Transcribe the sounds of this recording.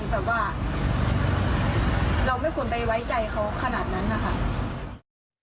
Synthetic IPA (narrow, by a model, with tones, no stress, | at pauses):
t̪ɛː˨˩waː˧˥˩ | ɾa˧wma˥˩jkʰu˧˥ə˨npa˧˩jwa˦˥jt͡ɕa˧jkʰa˦˥wkʰa˧naː˨˩t̪̚na˦˥nːa˧˩kʰa˦˥˩